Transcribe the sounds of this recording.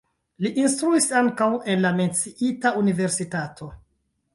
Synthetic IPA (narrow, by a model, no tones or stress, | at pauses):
liʔinstɾuisaŋkawe̞nlame̞nt͡siʔitaunive̞ɾsitatʰo̞